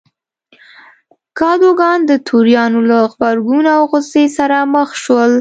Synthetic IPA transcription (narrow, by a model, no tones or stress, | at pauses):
kɑd̪oɡɑnd̪ət̪ʰuɾjɑnolaɣbaɾɡunawɣʊsesaɾaməxʃwəl